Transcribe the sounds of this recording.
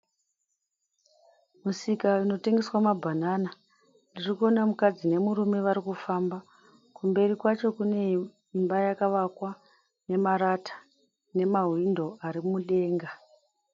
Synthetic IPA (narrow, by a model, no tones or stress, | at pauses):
musikaino̞te̞ŋɡe̞swamabʱanana | ndirikuo̞namukad͡zine̞muɾume̞ʋaɾikufamba | kumbe̞rikwat͡ʃo̞kune̞ | imbajakaʋakwa | ne̞maɾatḁ | ne̞maɦwindo̞aɾimuɗe̞ːŋɡa